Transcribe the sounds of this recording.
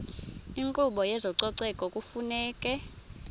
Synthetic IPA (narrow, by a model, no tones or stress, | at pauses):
iŋǃʼuɓɔjɛzɔǀɔǀɛkʼɔkʼufunɛːkʼɛ